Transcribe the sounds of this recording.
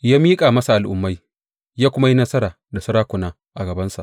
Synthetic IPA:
jaː˦miː˦kʼaː˨mɐ˦sa˨ʔa˨lʔʊ̰˨mːa˦j | jaː˦kʷʊ˦ma˦ji˦nɐ˦sɐ˦ɾaː˨ | da˨sɐ˦ɾaː˦kʷʊ˨naː˦ | ʔa˨ɡɐ˨bɐ˦nsa˨ʔ

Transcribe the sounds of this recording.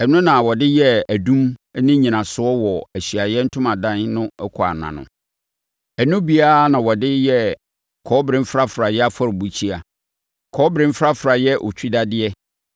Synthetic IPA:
ɛ˨nʊ̃˦nã˨wɔ˨dɪ˦jɛ˦æ˨dũ˦m˦nɪ̃˦ɲĩ˨nã˨sʊ˦ɔ˦wɔ˨æ˨ɕi˨a˨jɛ˦n̩˦tʰʊ̃˦mã˨dã˦nnʊ̃˦ɛ˦kʰɔ˨a̰˨nã̰˨nʊ̰̃˨ | ɛ˨nʊ̃˦bi˦a˦nã˨wɔ˨dɪ˦jɛ˦ | kʰɔː˦bɾɪ̃˦m˦fɾa˦fɾa˨jɛ˦a˦fɔ˦ɾbu˨t͡ɕʰi˦a˨ | kʰɔː˦bɾɪ̃˦m̩˦fɾa˦fɾa˨jɛ˦ʔɔ̰˨t͡ɕʰᶣi˦da˦dɪ˦ɛ˦

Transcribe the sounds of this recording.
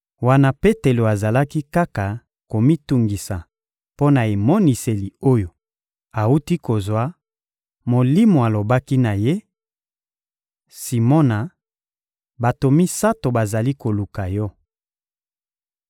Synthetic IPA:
wa˦na˦pe˦te˨lo˨a˨za˨la˦ki˦ka˦ka˨ | ko˨mi˦tu˨ŋɡi˨sa˨ | po˦na˨e˨mɔ˦ni˨se˨li˨o˦jo˨ | a˨u˦ti˦ko˨zwa˦ | mo˨li˦mo˨a˨lo˨ba˦ki˦na˨je˦ | si˨mɔ˦na˨ | ba˨to˨mi˦sa˦to˨ba˨za˨li˦ko˨lu˨ka˨jɔ˦

